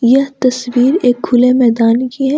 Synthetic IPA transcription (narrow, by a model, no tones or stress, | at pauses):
jɐɦt̪ɐswiːɾeːkɡʰʊlemɛːd̪aːnkiɦɛː